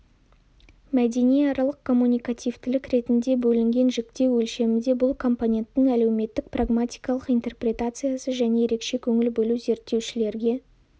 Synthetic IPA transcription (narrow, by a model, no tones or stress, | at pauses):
mæd̪e̞nijɑɾɑlˠəq̚kʰo̞mːunʲijkat̪ʲijvt̪ɪlɪkɾe̞t̪ɪnd̪e̞bɵlɪŋɡʲe̞nʒɪkt̪e̞wɵlʃe̞mɪnd̪e̞bʊlˠkʰo̞mpo̞nʲe̞nt̪ːɪŋæle̞wme̞t̪ːɪk̚praɡmat̪ʲijkalˠəqijnt̪e̞rprʲe̞t̪at̪sɨjasəʒæne̞jeɾe̞kʃe̞kʲʰɵŋɪlbɵluze̞ɾt̪ːe̞wʃɪle̞ɾɡʲe̞